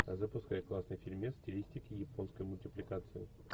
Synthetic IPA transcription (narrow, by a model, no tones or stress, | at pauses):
zəpʊskajɪklˠasnəjfʲɪlʲmʲesʲtʲɪlʲisʲtʲɪkʲɪjɪpo̞nskəjmʊlʲtʲɪplʲɪkat̪sɨɪ